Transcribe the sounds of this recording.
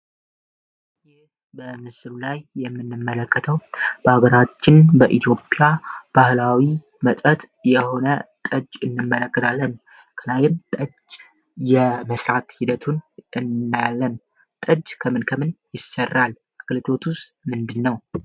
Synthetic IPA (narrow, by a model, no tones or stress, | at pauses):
jɪ | bəmɨsɨlulajːɛmːɨnːɨmːələkːət̪ʰəwb̥əaɡəɾat͡ʃːɪnbəʔit̪ʰjo̞pʼjab̥ahlawi | mət̪ʼət̪ | jɛho̞nət̪ʼəd͡ʒɨnːɨmːələkːət̪ʰalːən | kʰɨlajɪnt̪ʼəd͡ʒ | jɛməsɾat̪hid̪ət̪ʰunɨnːjalːən | t̪ʼəd͡ʒkʰəmɨnkʰəmɨnjɪsərːal | ʔaɡlɨd͡ʒo̞t̪ʰust̪mɨnd̪ɨnːəw